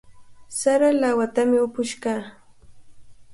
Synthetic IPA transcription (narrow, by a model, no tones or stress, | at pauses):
saɾalawat̪amɪʊpʊʃkaː